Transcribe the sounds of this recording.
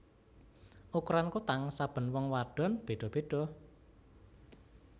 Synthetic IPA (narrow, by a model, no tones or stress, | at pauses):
ʔukɾankut̪aŋsab̥ə̤nwɔŋwaɖ̥ɔ̤nb̥e̤ɖ̥ɔ̤b̥e̤ɖ̥ɔ̤